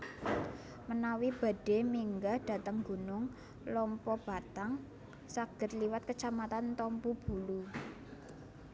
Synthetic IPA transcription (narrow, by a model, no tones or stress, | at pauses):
mənawib̥a̤ɖ̥e̤miŋɡaɖ̥a̤t̪əŋɡunʊŋ | lɔmpɔb̥a̤t̪aŋ | saɡ̥ə̤t̪liwat̪̚kət͡ʃamat̪ant̪ɔmpub̥ulu